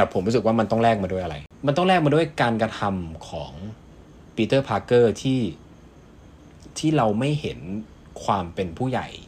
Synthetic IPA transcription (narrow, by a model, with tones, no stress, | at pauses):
t̪ɛː˨˩pʰo˩˦mɾuː˦˥sɯ˨˩k̚waː˥˩ma˧nt̪ɔ˥˩ŋɾɛː˥˩k̚maː˧du˥˩əjʔa˧ɾa̰˧jma˧nt̪ɔ˥˩ŋlɛː˥˩k̚maː˧du˥˩ə˨˩jkaː˧nkɾa˧t̪ʰa˧mkʰɔ̰ː˩˦ŋ | piː˧t̪ɤː˥˩pʰaː˧kːɤː˥˩t̪ʰiː˥˩ | t̪ʰiː˥˩ɾa˧wma˥˩jhe˩˦n | kʰwaː˧mpe˧npʰuː˥˩ja̰˨˩j